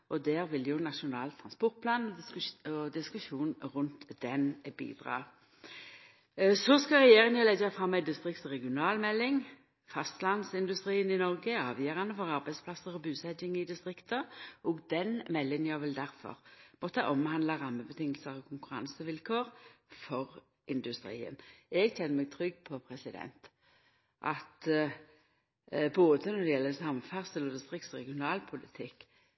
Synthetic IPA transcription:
ʔɔd̪æːʁʋɪljʊnɑʂʊnɑ̰ːlt̪ʰːʁɑnspɔʁt̪̚pʰlɑːnɔɔd̪ɪskʉʂuːnʁʉnt̪d̪̥ɛnbḭːd̪ʁɑ̰ː | sɔskɑlʁɛjeːʁɪnjɑlɛɡɑfʁɑmːæɪd̪ɪst̪ʁɪkt̪ɔʁɛɡɪʊnɑːlmɛlːɪŋ | fɑst̪lɑnsɪnd̪ʉst̪ʁiːənɪnɔʁɡəɑːʋjœʁɑnəfɔʁɑʁbæɪsplɑsəʁɔbʉːsɛt̪ɪŋɪd̪ɪst̪ʁɪkt̪əʔoːɡd̪ɛnmɛlːɪnəjɑʋɛld̪æʁfɔ̰ʁmɔt̪əʔɔmhɑnd̪lɑʁɑmːəbət̪ʰɪŋːəlsəʁɔkʰʊŋkʉʁɑ̰nsəʋɪlkʰoːʁfɔʁ | ʔɪnd̪ʉst̪ɾḭːə̰nɛɡçɛnːəmɛɡ̚t̪ʰʁʏɡːpʰɔpʰɾɛsɪd̪ɛ̰nt̪ | ʔɑ̰t̪ | boːd̪ənɔd̪ɛjɛlːəsɑmfæʁsəlɔd̪ɪst̪ʁɪkt̪sɔʁɛɡɪʊnɑːlpʰʊlɪt̪ʰɪkː

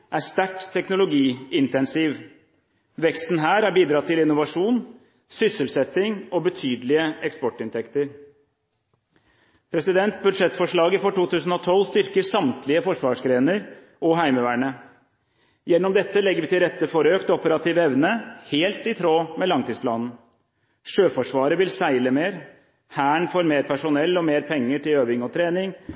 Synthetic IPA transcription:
ʔæʂt̪æʈt̪ʰːɛknʊlʊɡiːɪnt̪ɛnsɪʋ | ʋɛkst̪n̩ɦæːɾæɾbiːd̪ɾɑːt̪ɪlɪnːʊʋɑʂuːn | sʏsəlsɛt̪ːɪŋɔbət̪ʰyːd̪əlɪəɛkspɔʈːɪnt̪ʰɛkt̪əɾ | pʰɾɛsɪd̪ɛnt̪̚bʉd̪ʂɛt̪fɔʂɭɑːɡəfɔʈuːt̪ʉːsn̩ɔt̪ʰɔlːst̪ʏɾkəsɑmt̪lɪəfɔʂʋɑːʂɡɾeːnəɾ | ʔɔɦæɪməʋæːɳə | jɛnːɔmd̪ɛt̪ːəlɛɡːəʋɪt̪ɪlɾɛt̪ːəfɔɾøːkt̪ɔpəɾɑt̪ʰiːʋɛʋnəheːlt̪ɪt̪ʰɾoːmɛlɑŋt̪iːsplɑːnn̩ | ʂøːfɔʂʋɑːɾəʋɪlsæɪləmeːɾ | hæːɳfoːɾmeːɾpʰæʂʊnɛlːɔmeːɾpʰɛŋːəʈɪløːʋɪŋɔt̪ʰɾeːnɪŋ

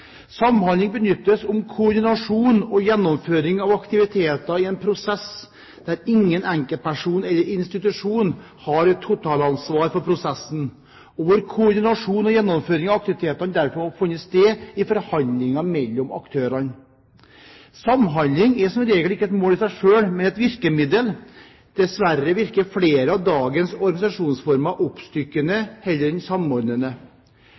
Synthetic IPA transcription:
sɑmhɑnlɪŋbənʏt̪ːəsʊmkʰʊɔd̪ɪnɑʂuːnɔjɛnːɔmføːɾɪŋɑʋɑkt̪ɪʋɪt̪ʰeːt̪ɑɪɛnpʰɾʊsɛs | d̪̥æɾɪŋːənæŋkəl̚pʰæʂuːnɛlːəɾɪnst̪ɪt̪ʉʂuːn | hɑɾɛt̪ʰːʊt̪ʰɑːlɑnsʋɑːɾfɔɾpʰɾʊsɛsːn̩ | oːʋəɾkʰʊʊɾd̪ɪnɑʂuːnɔjɛnːɔmføːɾɪŋɑʋɑkt̪ɪʋɪt̪ʰeːt̪ɑnd̪æɾfɔɾɔfɪnːəst̪eːɪfɔɾhɑnd̪lɪŋɑmɛlːɔmɑ̰kt̪ʰøːɾɑn | sɑmɦɑnd̪ɪŋɛsɔmɾeːɡəlɪkːəɛt̪moːlɪsæɪʂøːlmɛnɛt̪ʋɪɾkəmɪd̪əl | d̪̥ɛsʋæɾːəʋɪɾkəfleːɾəɑʋd̪ɑːɡənsɔɾɡɑnɪsɑʂuːnsfɔɾmɑʔʊpst̪ʏkːənəhɛlːəɾɛnsɑmɔɾnənə

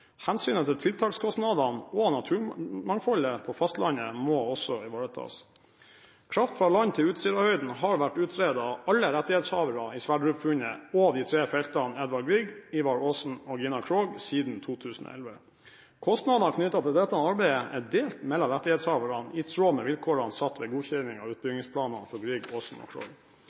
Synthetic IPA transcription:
hænsyːnət̪ʰɪlt̪ʰɪlt̪ʰɑːkskʰɔst̪nɑd̪ɑnɔnɑt̪ʰʉːmɑŋfɑləpʰɔfɑst̪lɑɲəmoːɔsɔɪʋoːɾət̪ʰɑ̰ːs | kʰɾɑft̪fɾɑlɑɲt̪ʰɪlʉːt̪siːɾɑhœʏd̪n̩hɑɾʋæʈːʉːt̪ʰɾeːd̪ɑɑlːəɾɛt̪ːɪheːt̪shɑːʋəɾɑɪsʋæɖɾʉpfʉɲəod̪ɪt̪ʰɾeːfɛlt̪ɑnɛd̪ʋɑɖɡɾiːɡiːʋɑɾoːsn̩ɔɡɪnɑkʰɾoːɡsiːd̪n̩t̪ʰuːt̪ʰʉːsn̩o̰ːʔɛ̰lʋə | kʰɔst̪nɑd̪nɑkʰnʏt̪ɑt̪ʰɛd̪ɛt̪ɑnɑɾbæɪəʔɛd̪eːlt̪mɛlːɑɾɛt̪ːɪhɛːt̪shɑːʋəɾɑnɪt̪ʰɾoːmɛʋɪlkʰoːɾɑnsɑt̪ːʋɛːɡuːçɛnɪŋɑ̰ʉːt̪̚bʏɡnɪŋspʰlɑːnɑ̰nfɔɾɡɾɪɡoːsn̩ɔ̰ːkʰɾo̰ːɡ

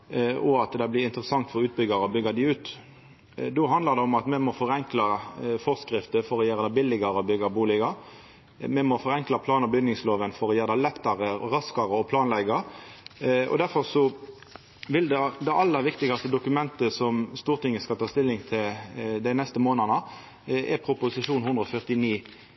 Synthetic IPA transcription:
ɔɑt̪d̪ɛblɪɪnt̪əɾəsɑŋt̪fɔʁʉːt̪̚bʏɡɑɾɔbʏɡːɑd̪ɪʉːt̪ | d̪oɦɑnd̪ləʁd̪ɛɔmɑt̪mɛmɔfɔɾɛŋklɑfɔʁskʁɪft̪əfɔɾɔjeːʁəd̪æɪbɪlːɪɡɑɾəɔbʏɡɑbuːlɪɡɑɾ | mɛmɔfɔʁɛŋklɑpʰlɑːnəbʏɡ̪nɪŋsloːʋənfɔʁɔjeːʁd̪æɪlɛt̪ːɑʁəʁɑskɑʁəɔpʰlɑːnlɛɡɑɾ | ɔ̰d̪æɾfɔʁsɔ | ʋɪld̪ɛd̪ɛʔɑlːəæʋɪkt̪ɪɡɑst̪əd̪ʊkʉmɛnt̪əsɔmst̪uːʁt̪ɪŋːəskɑlt̪ʰɑːst̪ɪlːɪŋt̪ʰɪld̪æɪnɛst̪əmoːnənə | ɛ̰pʰɾʊpʊsɪʂuːnhʉnd̪ʁəɔfœʁt̪ɪniː

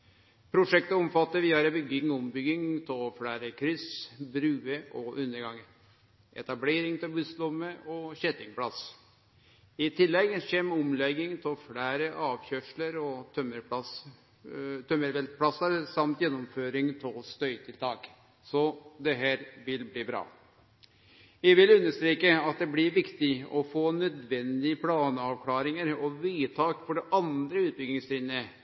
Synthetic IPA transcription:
pʰɾʊʂɛk̚t̪əɔmfɑt̪ːəɾʋiːɑɾəbʏɡːɪŋʊmbʏɡɪŋt̪ʰɪlfɽæːɾəkʰɾʏsbɾʉːəʔɔʔʉnːəɾɡɑŋːə | ʔɛ̰t̪ɑbleːɾɪŋt̪ʰɪlbʉslɔmːəʔɔɕɛt̪ɪŋpʰɽɑs | ɪt̪ʰɪlːɛɡçɛmɔmlɛɡːɪŋt̪ʰɪfɽæːɾəʔɑːʋçœʂləɾɔt̪ʰœməɾpɑs | t̪ʰœməɾʋɛlt̪pʰɽɑsɑɾsɑmt̪jɛnːɔmføːɾɪŋt̪ʰɪlst̪œʏt̪ʰɪlt̪ʰɑːk | sɔd̪ɛɦæːɾʋɪlbliːbɾɑ̰ː | jæʋɪlʉnːəʂt̪ɾeːkəɑt̪̚d̪ɛblɪɾʋɪkt̪ɪɔfoːnœd̪ʋɛnd̪ɪəpʰlɑːnəɑʋkʰlɑːɾɪŋəɾɔʋiːt̪ʰɑːkfɔɖɛʔɑnd̪ɾəʉːt̪̚bʏɡɪŋst̪ɾiːnə

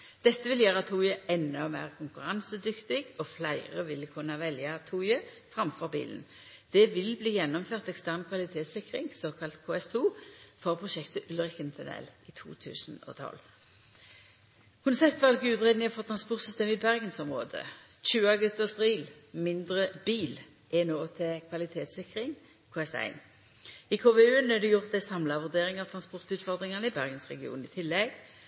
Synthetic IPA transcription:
d̪̥ɛt̪ːəʋɪljæːʁɑt̪ʰuːjəɛnːɔɔmæ̰ːʁkʰʊŋkʉʁɑnsəd̪ʏkt̪ɪɡɔflæɪʁəʋɪlkʰʉnːɑʋɛljɑt̪ʰuːjə | fʁɑmfɔʁbḭːlən | d̪̥ɛʋɪlbliːjɛnːɔmføːʁt̪ɛkst̪æʁnkʰʋɑlɪt̪ʰeːt̪sɪkʁɪŋsoːkʰɑlt̪kʰoːɛst̪ʰuːfɔʁpʰʁʊʃɛkt̪əʔʉlʁɪkənt̪ʰʉnɛ̰liːt̪ʰṵːt̪ʰʉ̰ːsn̩ɔ̰ːt̪ʰɔ̰l | kʰʊnsɛpt̪ʋɑlkʉːd̪ʁɛːd̪nɪŋfɔʁt̪ʰʁɑnspʊʁt̪sʏst̪eːmɪbæʁɡənsɔmʁo̰ːd̪ə̰c͡çʉːɑɡʉt̪ːəʁst̪ʁiːlmɪnd̪ʁəb̥iːl | ʔɛnoːt̪ʰɛkʰʋɑlɪt̪ʰeːt̪sɪkʁɪŋ | kʰoːɛsæ̰ɪn | ikʰoːʋeːʉːənɛd̪ʉjʊʁt̪d̪æɪsɑmlɑʋʉʁd̪eːʁɪŋɑʋt̪ʰʁɑnspɔʁt̪ʉːt̪fɔʁd̪ʁɪŋɑnəɪbæʁɡənsʁɛ̰ɡɪṵːnɪːt̪ʰɪlːɛɡ

